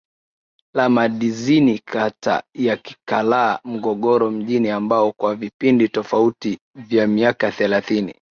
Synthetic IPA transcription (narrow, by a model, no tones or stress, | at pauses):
lamaɗizinikʰata̰jaki̥kalaːm̩ɠɔɠɔɾɔm̩ʄiniambaɔkwavipinditɔfauti | vjamiakaθɛlaθinḭ